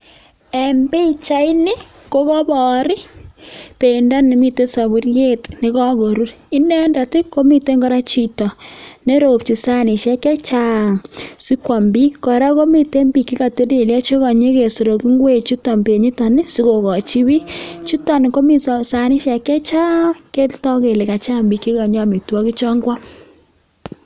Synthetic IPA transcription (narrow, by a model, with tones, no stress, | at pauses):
e˨mbe˦˨t͡ʃa˦ɪ˦ni˦ | ko˦kɔ˦bɔ˨ɾɪ˦ | pe˨nda˦ni˨mi˦te˦sa˨bu˨˦rje˦tnɪ˨˦kɔ˦ɡo˨ɾu˦ɾi˦nɛ˦nda˨tɪ˦ko˦mi˨te˦ŋɡɔ˦ɾa˦t͡ʃi˨tɔ˨ne˦ɾo˨p̚t͡ʃi˨sa˦ni˨ʃɛ˦kɛ˦t͡ʃa˦˨ŋsi˦kʷwa˨mbi˦kɔ˨ɾa˦ko˦mi˨te˦mbi˨ki˦ka˨te˦de˨lja˦t͡ʃe˦ka˨ɲe˦ke˨so˨ɾo˨ki˦ŋɡwe˦˨t͡ʃu˦tɔ˨mbi˨e˨ɲi˦ta˨nɪ˦si˦ko˨kɔ˨t͡ʃi˦bi˦t͡ʃu˦ta˨nɪ˨ko˦mi˨ssa˦ni˦ʃɛ˨kɛ˦t͡ʃa˦ke˦ltɔ˦ke˨le˨ka˨t͡ʃa˦mbi˨ki˦ka˨ɲɔ˦mi˨twɔ˦ki˦t͡ʃɔ˦ŋɡwa˦